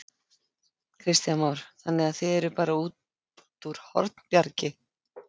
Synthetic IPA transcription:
kʰɾɪst̪jamaːwɾ̥θanːɪɣaðθɪðɛɾʏpaːɾauːt̪ | t̪uɾ̥hɔ̰ɾt̪n̥pjaɾcɪ

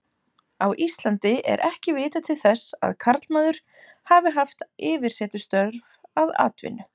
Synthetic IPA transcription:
awʔist̪lant̪ɪʔɛ̰ɾʔɛhcɪvɪːt̪at̪ʰɪlθɛsːa̰ðkʰaɾt̪lmaːðʏɾ̥ | haːvɪɦaft̪ɪːvɪɾ̥sɛːt̪ʏst̪œɾvaða̰ːt̪vɪ̰nʏ

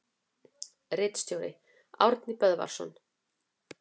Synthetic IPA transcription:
rɪːt̪st̪jowɾɪ̰ | a̰wɾt̪nɪpœðva̰ɾ̥sɔ̰n

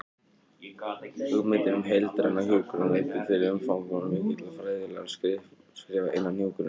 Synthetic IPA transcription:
hʏɣmɪt̪ɪnʏmɦejlt̪ɾanːahjuːkʏɾʏnleːjt̪ɪfɪɾɪʏmfawmvɔnʏmɪt̪ɪt̪lafɾaːjðɪla̰ɣaskɾɪ | skɾɛːvaʔḛjnːannjuwkʏɾɪ

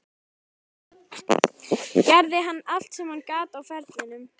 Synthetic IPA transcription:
caɾðɪɦanːal̥t̪sɛmhankaːt̪awfɛɾt̪mɪnʏm

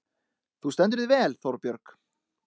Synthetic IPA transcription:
θust̪ɛnt̪̬ʏɾðɪvɛːlθɔwɾpjœɾk

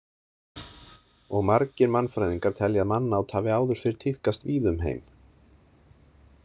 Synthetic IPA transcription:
ɔɣmaɾcɪɾmanfɾajðiŋkaɾ̥t̪ʰɛljaðmanːaːwt̪ʰaːvɪawðʏɾ̥fɪɾɪɾ̥t̪ʰɪhkast̪viːðʏmɦḛjm

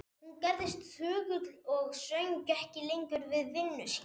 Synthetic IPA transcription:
hunkaɾðɪst̪θʏːɣʏt̪lɔɣsœɥɲcɛhcɪlejɲcʏɾvɪðvɪnːʏs

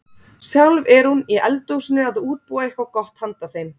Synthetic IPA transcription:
sjawlvɛɾhuniɛlt̪owsɪnːʏaðuːt̪̚puːaehkvawkɔht̪hant̪aθejn

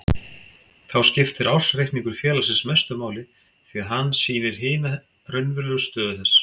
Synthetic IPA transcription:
θawscɪft̪ɪɾʔawsrehp̪niŋkʏɾ̥fjɛːlasɪnsmɛst̪ʏmaːwlɪ | θiːaðɦanːsiːnɪɾ̥ɦɪːna | rœɥnvʏɾlʏɣʏst̪œːðʏθɛsː

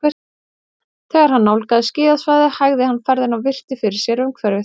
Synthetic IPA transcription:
ɛ | θɛːɣaɾ̥hanːawlkaðɪscɪːðaðsvajðɪhajɣðɪhanːfɛɾðɪnawvɪr̥t̪ɪfɪɾɪɾ̥sjɛɾʏmkʰvɛɾɪ

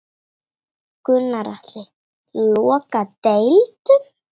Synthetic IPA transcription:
kʏnːaɾa̰ht̪lɪ | lɔːkat̪ejlt̪ʏm

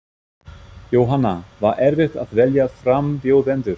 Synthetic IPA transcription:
joːwɦanːavaɾʔɛɾvɪxt̪aðvɛljafɾampjowðɛnt̪ʏɾ̥

